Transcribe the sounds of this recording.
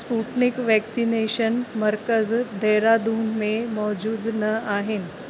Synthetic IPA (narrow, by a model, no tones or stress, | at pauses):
spuʈnikʋɛksineɕənməɾkəzd̪ʱɛɾad̪uːnmemɔd͡ʑuːd̪nəaɦen